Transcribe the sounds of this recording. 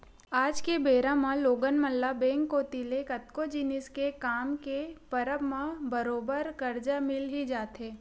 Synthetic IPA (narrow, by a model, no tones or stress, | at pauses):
aːd͡ʒkebeːɾãmãloːɡənməlːabẽːŋkːot̪ilekɐt̪kod͡ʒinɪskekaːmkepəɾəbmãbəɾoːbəɾkɐɾd͡ʒamɪlɦid͡ʒaːt̪ɦeː